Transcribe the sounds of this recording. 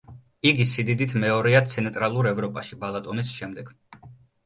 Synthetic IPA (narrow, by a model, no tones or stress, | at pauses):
iɡisid̪id̪it̪ʰmɛɔɾɛat̪sʰɛnt̪ʼɾalˠuɾɛvɾɔpʼaʃibalˠat̪ʼɔnisʃɛmd̪ɛɡ̥